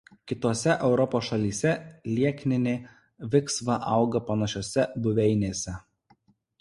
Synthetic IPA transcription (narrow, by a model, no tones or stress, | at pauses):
kʲɪt̪oːsʲɛʔɛʊɾɔpoːsʃɐlʲiːsʲɛlʲiɛkʲnʲɪnʲeː | ʋʲɪksʋɐʔɐˑʊɡɐpɐnɐʃʲoːsʲɛbʊʋʲɛɪnʲeːsʲɛ